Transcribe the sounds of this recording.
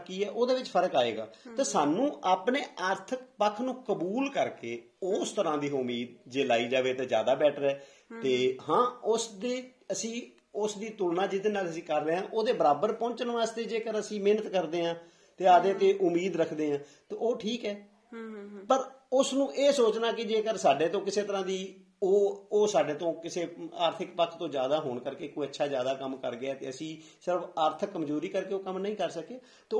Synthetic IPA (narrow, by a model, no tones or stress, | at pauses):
kiːɛːʔoːd̪eːʋɪt͡ʃpʰəɾəkaːḛːɡa̰ːt̪eːsaːnũːʔaːpneːʔəɾt̪ʰək̚pəkʰnũːkəbuːlkəɾkeː | ost̪əɾãːd̪iːʊmiːd̪̚d͡ʒeːlaːiːd͡ʒaːʋeːt̪eːzja̰ːd̪aːbɛːʈʰɾɛː | t̪eːhãːʊsd̪eː | əsĩː | ʊsd̪iːt̪ʊlnãːd͡ʒɪd̪eːnaːləsĩːkəɾleːɦãːʔoːd̪eːbəɾaːbəɾpɔ̃ːnt͡ʃənʋaːzt̪eːd͡ʒeːkəɾəsĩːmeːnət̪kəɾd̪eːɦãː | t̪eːaːd̪eːt̪eːʔʊmiːd̪ɾəkʰd̪eːɦãːt̪eːoːʈʰiːkɛː | pəɾ | ʊsnũːʔeːsoːt͡ʃnaːkɪd͡ʒeːkəɾsaːɖeːt̪õːkɪseːt̪əɾãːd̪iː | oːoːsaːɖeːt̪õːkɪseːaːɾt̪ʰɪkpəkʰt̪õːd͡ʒjaːd̪aːɦoːɳkəɾkeːkoːiətːʃʰaːzjaːd̪aːkəmkə̰ɾɡɪɛːt̪eːəsĩː | sɪɾəfʰaːɾt̪ʰkːəmd͡ʒoːɾiːkəɾkeːoːkəmnəĩːkəɾsəkeː | t̪eː